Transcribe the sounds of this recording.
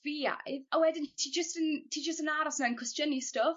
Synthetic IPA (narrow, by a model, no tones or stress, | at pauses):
via̰jðəwɛdɪntʰiːd͡ʒəstəntʰiːd͡ʒəstənaɾɔsnaə̃nkʰɹɛst͡ʃənistəf